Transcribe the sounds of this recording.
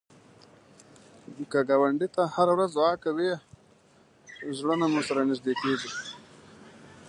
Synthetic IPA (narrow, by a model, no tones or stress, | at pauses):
kaɡɑwaɳɖit̪ahaɾawɾazɑkawi | zɽənamusaɾanɪzd̪ekeʐi